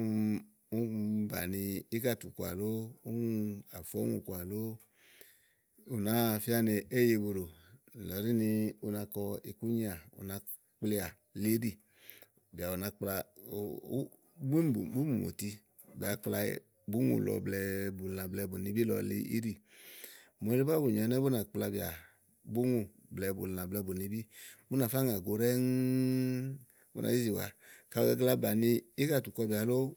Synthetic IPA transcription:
u˦ba̰˨ni˧i˦ka˦˨tu˨kʷa̰˨lo˦u˦˧a˨fɔ˦ŋṵ˧˨kʷa˨lo˦ | u˨na˨˦fi˦a˦ne˧ʔe˦˨je˧˨wu˧ɾo˨lɔ˨˦ɾi˦ni˧u˧na˧kɔ˧i˨ku˦ɲi˦a˨ṵ˨na˨˧˦ | k͡pli˧a˨ | li˦ɾi˦˨ | bi˨a˨u˨na˨˦k͡pla˧˨˦ | u˦˨bu˦mu˨mo̰˨ti˧ | bi˨a˨k͡pla̰˧˦ | bu˦ŋṵ˨lɔ̰˨blɛ˨bu˨lna˨blɛ˧bu˨ni˧bi˦lɔ̰˨lḭ˧˦ḭ˦ɾi˦˨ | mo˨˦li˦a˦bu˨ɲ˨ɔ˨˦nɛ˦bu˦na˨k͡pla˧bi˨a̰˨ | bu˦ŋu˧˨ | blɛ˨˧˦bṵ˨lna˨blɛ˧bu˨ni˧bi˦bu˦na˨fa˦ŋ˨a˨ɡo˨ɾɛ˦ŋ˦ | bu˦ʔa̰˨zi˦zi˨wa̰˨ka˨˧˨ɛ˧ɡla˦ba˨ni˧i˦ka˦˨tu˨kɔ˧bi˨a˨lo˦

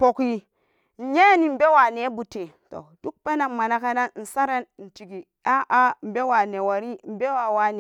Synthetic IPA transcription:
po˨ki˦ | n̩˨je˦ni˨m̩˦be˦wa˨ne˨˦bu˨te˨ | to̰˨d̥u˦k̚pe˦na˨mma˨na˦ka˦na˦nn̩˨sa˦ɾa˦nn̩˨ti˨ɡi˨ | a˦ʔa˦m̩˨be˦wa˨ne˨wa˨ɾi˦m̩˨be˦wa˨wa˨˦ne˨

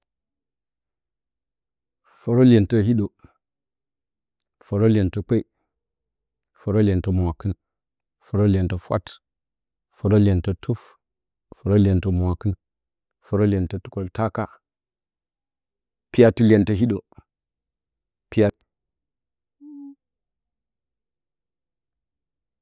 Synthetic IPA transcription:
fo˨ɾo˦le˨ntɐ˦hi˦ɗo˨ | fo˨ɾo˦le˨ntɐ˨k͡pe˦i˦ | fo˨ɾo˦le˨ntɐ˨mwa˨kɨ˦n | fo˨ɾo˦lʲe˨ntɐ˨fʷa̰˦t | fo˨ɾo˦lʲe˨ntɐ˦tʰu˦f | fo˨ɾo˦lʲe˨ntɐ˨mʷ˨a˨kɨ˦n | fo˨ɾo˦lʲe˨ntɐ˦tu̥˨ko˨lta˦ka˦ | pi˦ja˦ti˦lʲe˨ntɐ˨ɦi˦ɗo˨ | pi˦ja˦

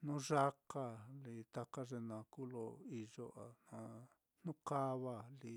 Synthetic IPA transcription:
nũ˦ʐa˦ka˧li˧t̪a˧ka˦ʐe˧nã˧ku˦lo˧i˧ʐo˧ʔa˨nã˧ | n̥ũ˦ka˦βa˧li˧

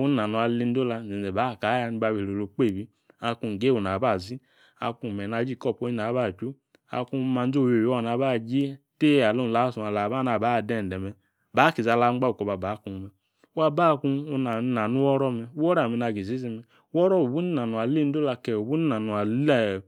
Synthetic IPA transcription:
u˦i˦a˨nu˨a˧˨li˧n̩˦do˦la˧˨e˨ɛ˨ba˨˦˨ka˨˦a˧˦ni˧˦ba˧we˨ɾo˨lo˨k͡pe˦˨bi˦ | a˧ku˧˨ɡe˦˨o˨n˨a˨ba˦˨zi˦ | a̰˧ku˧˨mɛ˨na˧˦d͡ʒi˦˨kɔ˦˨po˦i˦na˨˦ba˦˨t͡ʃu˦ | a̰˧ku˦˧˦ma˧n˦o˦˨jo˨˦˨na˨˦ba˦˨d͡ʒi˦te˦˨a˨lo˦n˨la˨˦˨su˨a˨la˨ba˦a˨ba˨˦˨dɛ˦˨n˨dɛ˨mɛ˨ | ba˨˦ki˨za˧˨la˧˦ŋ͡mɡ͡ba˦u˨kɔ˨ba˨ba˨˦ku˨mɛ˨˦ | a˦ba˦˨ku˧na˨na˨nu˦wɔ˦ɾɔ˦mɛ˧˦ɔ˦ɾa˨mɛ˨na˧˨ɡi˨zi˨˦zi˧mɛ˧˦ɔ˦ɾɔ˦o˨bu˦ni˦na˨nu˨a˨li˦n̩˦o˦la˧kɛ˨o˨bu˦ni˦a˨nu˨a˨l

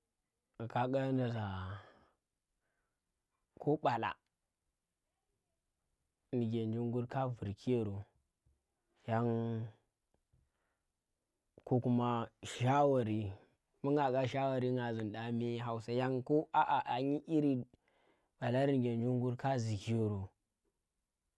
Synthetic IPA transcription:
ka˦ɡa˦na˨za˨ | ko˦ɓa˨la̰˨ | ni˨ɡʲe˨nd͡ʒu˦ŋɡu˦ɾka˦vu˨ɾkʰi˦je˨ɾo˨ | ja˦n | ko˦ku˦ma˦ʃa˦wa˨ɾi˦ | mu˦ŋa˨ɡa˦ʃa˦wa˨ɾi˦ŋɡa˨zi˨n˨ɗa˦mi˦ɦa˨u˨sa˦ja˦ŋko˦a˨ʔa˨ʔa˨ɲi˦ʔi˦ɾi˦ | ɓa˨la˦ɾi˦n˨ɡʲe˨nd͡ʒu˦ŋ˦ɡu˦ɾka˦zi˨ki˦jo˨ɾo˨

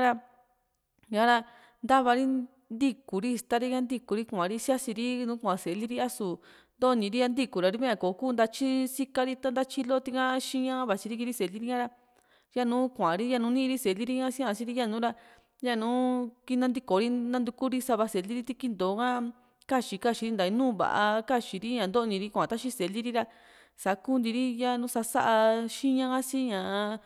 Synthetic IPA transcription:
a˦ɾa˧ | ɲã˦ɾa˧ | nd̪a˦βa˧ɾi˦ | nd̪i˧ku˨ɾi˦˧st̪a˦˧ɾi˦jã˦˧nd̪i˦˧ku˨ɾi˦kʷã˨ɾi˦si˦a˦si˧ɾi˦nũː˦kʷã˨se˨˧li˦ɾi˦a˦su˨ | nd̪o˦˧nĩ˧ɾi˦ja˧nd̪i˧ku˨ɾa˨ɾi˧˦βẽ˦ã˧ko˨˦kuː˦˧nd̪a˧t͡ʃi˦si˦ka˧ɾi˧˦t̪a˦nd̪a˦t͡ʃi˧lo˦˧t̪i˧kã˦ʃĩ˦ɲã˦βa˨t͡ʃi˧i˦ki˧ɾi˦se˨li˦ɾi˧˦ɲã˦˧ɾa˧ | ja˦nũː˦kʷã˨˧ɾi˦ja˧nũ˧nĩ˦˧ɾi˦se˨li˦ɾi˦ɲã˦sĩ˦ã˧t͡ʃi˦ɾi˦˧ja˦˧˨nũː˨˦ɾa˧ | ja˦˧˨nũː˨˦ki˧nã˧nd̪i˧ko˨˧ɾi˦nã˧nd̪u˧ku˦ɾi˦sa˧βa˧se˨li˦ɾi˦t̪i˧ki˧nd̪o˨˦kã˦ | ka˦t͡ʃi˨˧ka˦ʃi˧ɾi˦nd̪a˨˧i˧nũː˦βa̰˨ʔa̰˧ka˦t͡ʃi˨ɾi˦ɲã˨nd̪o˦˧nĩ˧ɾi˦kʷã˨t̪a˦ʃi˦se˨li˦ɾi˦ɾa˧ | sa˨˦ku˦nd̪i˧ɾi˦ja˦˧nũ˦sa˧sa˦ʔa˧ʃĩ˦ɲã˧ã˦si˦ɲã˨˧

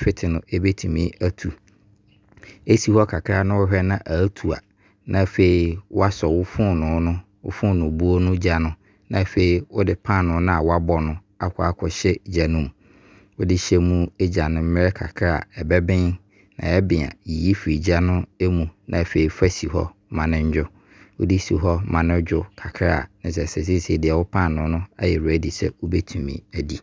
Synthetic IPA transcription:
fɪ˦tʰɪ˨nʊ̃˨e˦be˦tʰi˨mĩ˦æ˦tʰu˨ | e˦si˨hɔ˦kʰa˨kʰa˦˨nʊ̃˦wʊ˦ɦᶣɛ˦nã˦ʔa˨˦tʰu˨a̰˨ | nã˦˨fe˨i˨wʊ˦a˦sɔ˨wʊ˦fʊ̃˦nʊ̃˨˦nʊ̃˦ | wʊ̰˦fʊ̃˦˨nʊ̃˨bu˦o˦nʊ̃˦d͡ʑa˨nʊ̃˦ | nã˦˨fe˨i˨wʊ˦dɪ˨pʰã˦˨nʊ̃˨˦nʊ̃˦a˨wa˦bɔ˨˦nʊ̃˦ | a˦kʷʰɔ˦a˨kʷʰɔ˨ɕɛ˦d͡ʑa˨nʊ̃˦m | wʊ˦dɪ˦ɕɛ˦mũ˦ɛ˦d͡ʑa˨nʊ̃˦m̩˦mɪ̃˦ɾɛ˦kʰa̰˨kʰa˦a̰˨ɛ˨bɛ˦bɪ̃˦n | nã̰˨ɛ˦bɪ̃˨ã̰˨ji˨ji˦fi˨ɾi˨d͡ʑa˦nʊ̃˦e˦mũ˨nʔã˨fe˨i˨˦fa˦si˨hɔ̰˦ | mã˨nɪ̃˦ɲ˦d͡ʑᶣʊ˦ | wʊ˦dɪ˦si˨ɦɔ˦mã˨nɪ̃˦d͡ʑᶣʊ˦kʰa˨kʰɾa˦a˨nɪ̃˨s̬ɛ˨sɛ˨s̬i˦sɛ˦˨dɪ˨ɛ˨wʊ˦pʰã˦˨nʊ̃˨˦nʊ̃˦a˦jɛ˨ɾæ˨di˨sɛ̰˦wʊ˦bɛ˦tʰũ˨mḭ̃˨æ˨di˨

